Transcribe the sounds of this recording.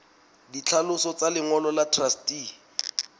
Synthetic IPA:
dit͡ɬʰalʊsɔt͡salɪŋɔlɔlatʰrasti

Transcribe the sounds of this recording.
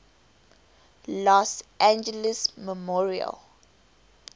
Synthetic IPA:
lɔsʔæ̃nd͡ʒələsməmɔɹiə̰l

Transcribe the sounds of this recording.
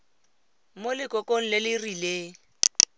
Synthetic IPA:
molɪkʼɔkʼoŋ̩lɪlɪrileː

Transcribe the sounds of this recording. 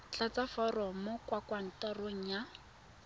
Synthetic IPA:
t͡ɬat͡safɔrɔmɔkwakwan̩tɔroŋ̩ja

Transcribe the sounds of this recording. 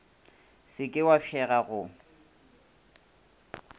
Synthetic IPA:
sɪkʼɪwafʰɛɣaɣʊ

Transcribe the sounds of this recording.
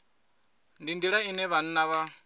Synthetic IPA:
ndindiɺainɛβan̩naβa

